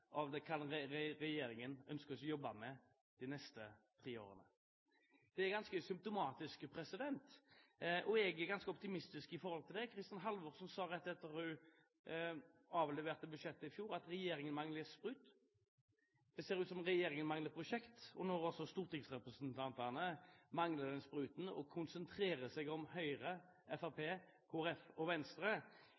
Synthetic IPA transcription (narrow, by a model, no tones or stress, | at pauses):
ʔɑʋd̪ɛkʰɑnɾɾɛjeːɾɪŋənœnskəsɔjɔbɑmɛ | d̪̥ɪnɛst̪ət̪ʰʁiːo̰ːʁə̰nə̰ | d̪̥ɛɛʁɡɑnskəsʏmpt̪ʊmɑːt̪ɪskpʰɾɛsɪd̪ɛnt̪ | ʔɔɛɡɛɡɑnskəɔpt̪ɪmɪst̪ɪskɪfɔɾhɔlt̪ʰɪld̪ɛkʰɾɪst̪ɑnɦɑlʋɔʁsɔnsɑːɾɛt̪ːɛt̪ːəʁhʉ | ɑːʋlɛʋeːʁt̪əbʉʃɛt̪ːəɪfjuːɾɑt̪ɾɛjeːɾɪŋənmɑŋləspʁʉːt̪ | d̪̥ɛseːɾʉːt̪sɔmʁɛjeːɾɪŋənmɑŋləpʰʁʊʃɛkt̪ɔnɔʁɔsɔst̪uːʁt̪ɪksʁɛpɾʁəsənt̪ʰɑnt̪ənəmɑŋləd̪ɛnspʁʉːt̪n̩ɔ̰kʰʊnsənt̪ʰɾeːʁəsɛɡɔmhœʏʁə | ɛfɑʁpʰeː | kʰoːæɾɛfɔʋɛnst̪ɾə